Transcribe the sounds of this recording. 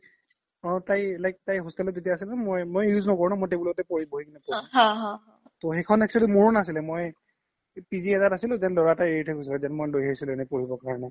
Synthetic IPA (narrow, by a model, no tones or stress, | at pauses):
ɔ̃tajlajk̚tajɦostalɔzetijaːs̬ilɛmojmojjuznɔkɔɹɔnamɔjtebulɔɔtɛpoɹibɔɦikinɛpɔɹiɦɦɔ | toxɛkʰɔnɛk̚t͡ʃualimoɹunasilɛmoj | piziɛzatasilʊ̃zɛnlɔɹatajeɹitʰɛkʰosilɛzɛnmɔjdojɦaisilɛɛnɛpoɹibɔkaɹɔnɛ